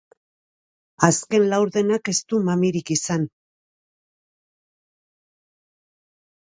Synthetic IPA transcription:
aske̞nlawɾðe̞nake̞st̪umamiɾikisan

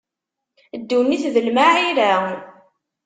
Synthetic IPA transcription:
d̪ːunːiθðəlmaʕiɾa

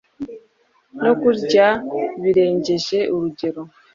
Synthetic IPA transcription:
nokuɾɟaβiɾeːɲɟeʒeʔuɾuɟeɾo

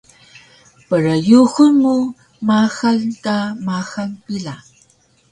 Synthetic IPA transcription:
pəɾəjuxulmu | maxaltamaxaŋpila

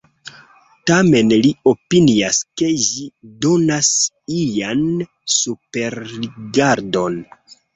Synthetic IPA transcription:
tame̞nlio̞piniaske̞ʒido̞nas | ijan | supe̞ɾːiɡaɾdo̞n

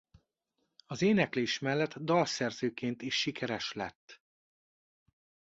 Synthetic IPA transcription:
ɒzeːnɛkleːʃmɛlːɛt̪ːd̪ɒlsɛrzøːkeːnt̪iʃːikʰɛɾɛʃlɛ̰t̪ː

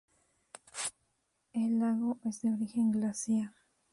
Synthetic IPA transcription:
elːaɣo̞ʔezd̪eoɾixe̞ŋɡlasjaɾ

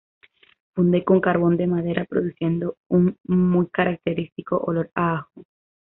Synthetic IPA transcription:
fund̪e̞ko̞ŋkaɾβo̞nd̪e̞maðe̞ɾʔapɾo̞ðusje̞nd̪o̞uŋmujkaɾak̚t̪e̞ɾist̪iko̞ʔolo̞ɾaaxo

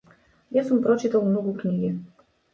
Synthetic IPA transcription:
jasumpɾɔt͡ʃit̪alˠmnɔɡuknʲiɡʲɛ

